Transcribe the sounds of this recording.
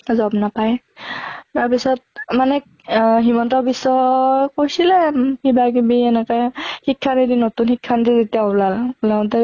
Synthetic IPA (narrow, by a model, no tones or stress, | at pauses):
zɔbnapaj | taɹpisɔt̚manɛ | ɦimɔntɔɹbisɔkojsilɛkibak̬ibiɛnɛkɔjxikʰːanidinotunxikʰːantizetijaulalulãtɛ